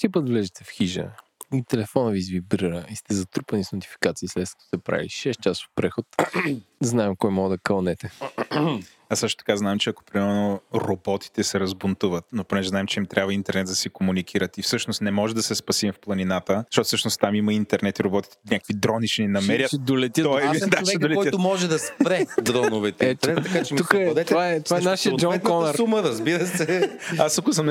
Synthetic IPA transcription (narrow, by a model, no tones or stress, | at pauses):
sipət̪vlɛʒɛt̪ɛfxiʒə̰ | it̪ɛlɛfɔnəvizvibɾɨɾəist̪ɛzɐt̪ɾupɐnisnot̪i̥fi̥kat̪siːslɛt̪̚kɐ̥t̪o̥sɛpɾa̰vḭʃɛs̚t͡ʃaso̥t̪pɾɛxot̪ | znaɛmkɔjmɔɡəd̪ɐkɐlˠnɛt̪ɛ | asɤʃt̪o̥t̪ɐ̥kaznaɛmt͡ʃɛɐko̥pɾimɛlnoɾobɔt̪i̥t̪ɛsɛɾɐzbʊnt̪uvət̪noponɛʒɛznaɛmt͡ʃɛimt̪ɾʲʔabvəint̪ɛɾnɛd̪d̪ɐsɛkomunikʰiɾət̪ifsɤʃnost̪nɛmɔʒɛd̪ɐsɛspɐsimfplˠɐninat̪əʃtɔt̪fsɤʃnost̪amiməint̪ɛɾnɛt̪iɾobɔt̪i̥t̪ɛɛnʲakə̥kvid̪ɾɔnit͡ʃninɐmɛɾʲjətɛd̪olɛt̪ʲəɔid̪aɛd̪olɛkɔj̪ət̪ʊmɔʒɛd̪ɐspɾɛd̪ɾɔnʊvɛt̪ɛiɛt̪ɛɾnɛt̪ːɐkat͡ʃɛmukəd̪ɛt̪ovaɛt̪oaɛnaʃiəd͡ʒɔkɔnɾuməɾɐzbiɾəsɛasɐkosəm